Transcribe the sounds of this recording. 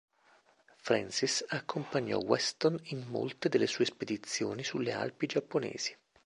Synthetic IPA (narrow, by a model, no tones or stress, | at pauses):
fɾɛnsisakʰːompaɲːɔ̰wɛst̪oninmo̰lt̪ed̪elːesuːesped̪it̪sːjoːnisulːea̰lpid͡ʒapːonɛ̰ːz̥i̥